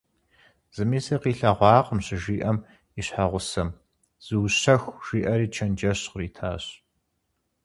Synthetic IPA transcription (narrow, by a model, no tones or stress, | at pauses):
z̥ɨmiːsɐqiːɬɐʁʷɑːqəmɕɪʒiːʔɐm | iɕħaʁʷʊsɐm | z̥ɨwɕɐxʷʒ̥iːʔɐɾiːt͡ʃʰɐnd͡ʒɐɕriːtʰaːɕ